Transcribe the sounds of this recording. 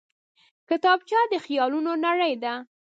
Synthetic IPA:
kɪt̪ɑbt͡ʃɑd̪əxijɑlunonaɽəjd̪a

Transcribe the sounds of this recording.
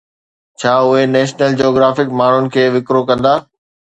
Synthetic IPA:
t͡ɕʰaːʊɦenɛːʃnəld͡ʑioːɡɾaːfɪkmaːɳ̤ʊnɪ̆kʰeːʋɪkɾokɐ̃nd̪aː

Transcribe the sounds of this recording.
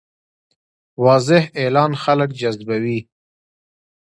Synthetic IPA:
wɑzɪhelɑːnxaləkd͡ʒazbawi

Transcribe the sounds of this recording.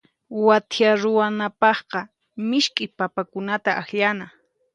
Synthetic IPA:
wat̪jaɾʊwanapɑχqɑ | mɪʃkʼɪpapakʊnat̪aʔaxʎana

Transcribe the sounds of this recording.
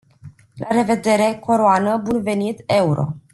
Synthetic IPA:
lʔaɾe̞ve̞d̪e̞ɾe̞kʰo̞ɾoanəbunve̞nit̪e̞uɾo̞̰

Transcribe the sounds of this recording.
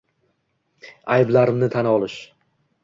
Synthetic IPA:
ajblaɾɪmnɪt̪ʰanɒlˠɪʃ

